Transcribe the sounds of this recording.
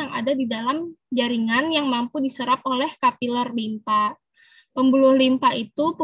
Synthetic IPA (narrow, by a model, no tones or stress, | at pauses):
aŋa̰dadidalamd͡ʒaɾiŋanjaŋmampudisəɾap̚olɛhkapilərlimpa | pəmbulʊhlimpaʔit̪up